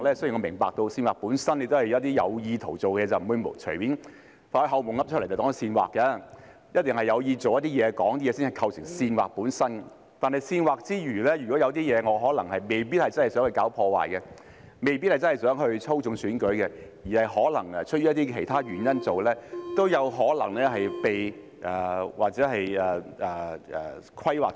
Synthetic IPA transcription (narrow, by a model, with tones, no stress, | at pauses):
lɛ˥sjŋɔː˨˧mɪ˨˩ŋpaː˨k̚t̪o˧wsiː˧nwaː˨puː˨˥nsɐ˥ne˧jt̪o˥whɐ˨jɐ˨˦˥t̪̬iː˥jɐ̰˨˧wjiː˧t̪ʰo˨˩wt͡so˨wkɛ˧t͡sɐ˨wm̩˨˩wu˧jm˨o̰˨˩t͡ʃʰɵ˨˩piː˨˥n | faː˧hɵ˧ɦɐ˨˧wmʊ˨˩ŋɐ˥p̚t͡ʃʰɵ˥le˨˩jt͡sɐ˨t̪ɔː˨˥n˨˧siː˧nwa̰ː˨kːɛ˧ | jɐ˥t̚t̪ɪ˨ŋhɐ˨jɐ˨˧wjiː˧t͡so˨wjɐ˥t̪̚iː˥jɛː˨˧kɔː˨˥ŋt̪iː˥jɛː˨˧˥siː˥nhɐ˨˩jkʰɐ˧wsɪ̰˨˩ŋsiː˧nwaː˨k̚puː˨˥nsɐ˥n | t̪aː˨nhɐ˨jsiː˧nwaː˨k̚t͡siː˥ɥyː˨˩lɛ˥jy˨˩kɔ˨˥jɐ˨˧wt̪̬iː˥jɛː˨˧ŋɔː˨˧ɦɔː˨˥lɐ˨˩ŋhɐ˨jme˨˩jpiː˥t̚hɐ˨jt͡sɐ˥nhɐ˨jsœː˨˥ŋhɵ˧ɥkaː˨˥wpʰɔː˧wa̰ː˨jkɛ˧ | me˨jpiː˥t̚hjt͡snhjsœː˨˥ŋɦɵ˧ɥt͡sʰo˥wt͡sʊ˨˧ŋsyː˨˥nkɵ˨˥ɥkɛ˧jiː˨˩hɐ˨jɦɔː˨˥lɐ˨˩ŋ˨t͡ʃʰɵ˥t̚jyː˥jɐ˥t̪iː˥kʰe˨˩jt̪ʰaː˥ɥyː˨˩njɐ˥nt͡so˨wlɛː˥t̪o˥wjɐ˨˧wɦɔː˨˥lɐ̰˨˩ŋlɛː˥ɦɐ˨jpe˨j | ʔɛː˨˩waː˨k̚t͡sɛː˨˦˥ɦɐ˨jɛ˨˩ɛː˨˩ɛː˨˩kʰɐ˥jwaː˨˩k